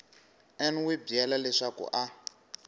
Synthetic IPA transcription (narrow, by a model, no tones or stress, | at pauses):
ɛnwibiɛlalɛʂakṵʔa